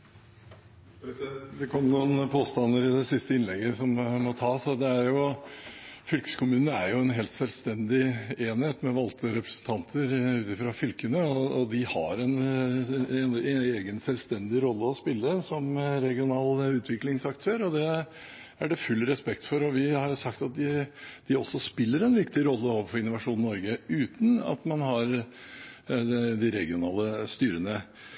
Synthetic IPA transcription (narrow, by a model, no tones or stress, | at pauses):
sd̪ɛkʰɔmːnuːnpʰoːst̪ɑnːəɾɪd̪ɛsɪst̪əɪnlɛɡːəsɔmmɔt̪ʰɑːsɔd̪ɛæɾjʊ | fʏlkə̥skʰʊmʉːnnəæɾjʊɛnɦeːlt̪sɛlst̪ɛnd̪ɪeːnheːt̪mɛʋɑlt̪ʰəɾɛpɾəsn̩t̪ʰɑnt̪ʰəɾʉːt̪ɪfɾɑfʏlkənəɔɔd̪ɪhɑ̰ɾɛn | ɛneːɡənsɛlʋst̪ɛnd̪ɪɾɔlːəɔspɪlːəsɔmɾɛɡɪʊnɑːlʉːt̪ʰʋɪklɪŋsɑkt̪ʰøːɾɔd̪ɛ | æɖɛfʉlːɾɛspɛkt̪fɔɾɔʋɪhɑɾsɑk̚t̪ɑt̪̚d̪ɪd̪̥ɪɔsɔspɪlːəɾɛnʋɪkt̪ɪɾɔlːəoːʋəfɔɾɪnʊʋɑʂuːnnɔɾɡəʉːt̪n̩ɑ̰t̪mɑnhɑɾ | d̪ɪɾɛɡɪʊnɑːləst̪yːɾənə